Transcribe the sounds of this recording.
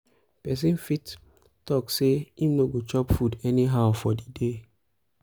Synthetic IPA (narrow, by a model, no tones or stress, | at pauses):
pɛs̬ĩnfit | tɔkseimnoɡot͡ʃɔpfudɛniɦaʊfɔdide